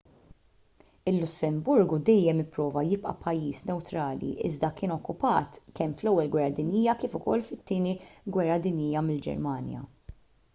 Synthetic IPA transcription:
ɪlːʊsːɛmbʊɾɡud̪ɛjːɛmɪpːɾɔːvɐjɪpʼʔɐ̰pʰɐjːiːsnɛwt̪ɾɐːlḭʔɪ̰zd̪ɐkɪːnɔkːʊpɐːt̪kɛmflɛwːɛlɡwɛrːɐd̪ɪnjiːjɐkiːfʊkɔ̰lːfɪt̪ːɪːniɡwɛrːɐd̪ɪnjɪːjɐmɪld͡ʒɛ̰ɾmɐːnjɐ̰

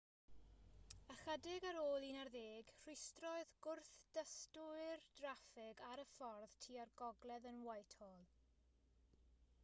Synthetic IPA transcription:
əχədɪɡaɾoːlˠinarðeːɡr̥ɪstrɔɨðɡʊrθd̥əstʊɨrd̥rafɪɡaɾəfɔrð̥tʰiːarɡɔɡlɛðənwajtʰoːlˠ

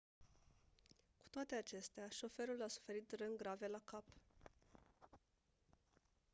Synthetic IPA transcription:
ku̥t̪oat̪e̞at͡ʃe̞st̪eaʃo̞fe̞ɾulasu̥fe̞ɾit̪rɨnɡɾave̞lakap

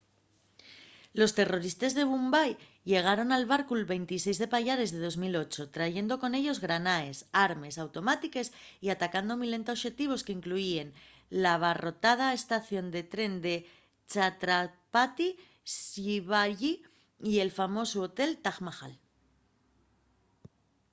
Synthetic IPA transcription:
lo̞st̪e̞ro̞ɾist̪ezðe̞β̞umbaj | ʎe̞ɣ̞aɾo̞nalβaɾkulβe̞jnt̪is̬e̞jzðe̞paʎaɾe̞zðe̞ð̞o̞zmilot͡ʃo̞t̪ɾaʝe̞nd̪o̞ko̞ne̞ʎo̞zɣɾanae̞saɾme̞sawt̪o̞mat̪ike̞siat̪akand̪o̞mile̞nt̪aoʃe̞t̪iβ̞o̞skeiŋkluie̞n | laβ̞aro̞t̪að̞aest̪aθjo̞nd̪e̞t̪ɾe̞nd̪e̞ | t͡ʃat̪ɾapat̪i | siβaʎi | ie̞lfamo̞suot̪e̞lt̪aɣmaxa̰l

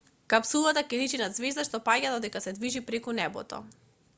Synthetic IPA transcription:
kapsulˠat̪akɛlit͡ʃinad̪zvɛzd̪aʃt̪ɔpaɟad̪ɔd̪ɛkasɛd̪viʒipɾɛkunɛbɔ̰t̪ɔ̰

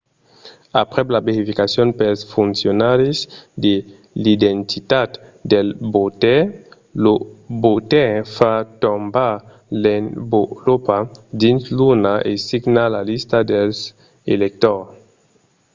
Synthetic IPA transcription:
apʁɛblabeʁifikasjonpelsfunsjonaɾizd̪e | lid̪ent̪it̪at̪delbot̪e | lobotẽfat̪omba | lenbolopadinslunaʔesiɡnalalistadels | elek̚t̪ɔʁ

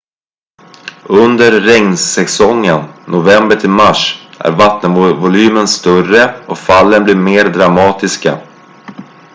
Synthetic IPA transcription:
ɵnd̪əɾːɛŋnsɛsɔŋːənːʊvɛmbəʈʰɪlmaʂʔæ̰ɾvat̪nəvvʊlyːmənst̪œrəɔfalːənblɪɾmeːɾd̪ɾamɑːt̪ɪska

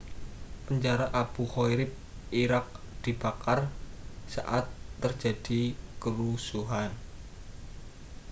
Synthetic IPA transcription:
pəɲd͡ʒaɾaʔab̥uhojɾɪp̚iɾak̚ | d̪̥i̤b̥akarsa̰ʔat̪ːərd͡ʒa̤d̥ikəɾusuɦan

